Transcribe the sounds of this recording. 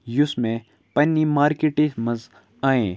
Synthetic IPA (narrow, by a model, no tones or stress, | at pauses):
jʊsmẽ | pɐnːimaːɾkeʈesmɐ̃z | aːẽː